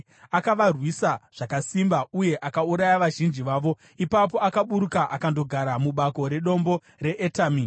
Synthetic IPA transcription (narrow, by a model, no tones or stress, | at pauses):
akaʋarwisaʐ̥akasimbauje̞ʔakauɾajaʋaʒind͡ʒiʋaːʋo̞ | ipap̬o̞akaɓuɾukaʔakando̞ɡʱaɾamuɓako̞ɾe̞ɗo̞mbo̞ | re̞ʔetaːmi